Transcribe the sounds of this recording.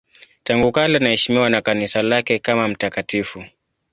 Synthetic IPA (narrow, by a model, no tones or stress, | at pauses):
taŋɡukalanahɛʃimiwanakanisalakɛkamam̩takatifu